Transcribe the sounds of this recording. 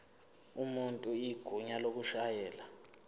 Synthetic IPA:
umuntʼuiɡ̥ʱuɲalok̬uʃajɛːla

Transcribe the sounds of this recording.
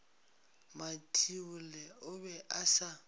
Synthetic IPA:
matʰiʊlɛʊbɛʔasa

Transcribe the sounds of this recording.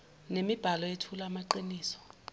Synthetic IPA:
nemib̥ʱalɔetʰulaːmaǃiniːsɔ̥

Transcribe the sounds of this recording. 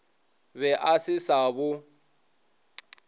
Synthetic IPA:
bɛʔasɪsabʊ

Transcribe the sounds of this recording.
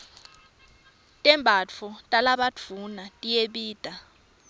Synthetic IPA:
tʼɛmbʱat͡fʰutʼalaɓad͡vʰunatʼijeɓiːd̥ʱa

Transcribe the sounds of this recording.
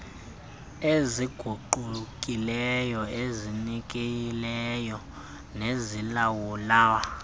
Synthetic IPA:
eziɡ̥ʱuǃuk̬ʼilɛjɔezinik̬ʼejilɛjɔ | nezilawulaːwa

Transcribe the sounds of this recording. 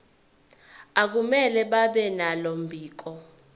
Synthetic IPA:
ak̬umɛlɛɓaɓɛnalom̩bʱiːk̬ɔ

